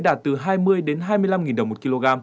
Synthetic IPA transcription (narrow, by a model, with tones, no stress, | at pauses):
jɗaː˧˩t̚t̪ɨ˨˩ɦaː˧jmɨ˧əjɗe˨˦nɦaː˧jmɨ˧əla˧mŋi˨˩nɗə˨˩wmo˨˩t̚ki˧lo˧ɣaː˧m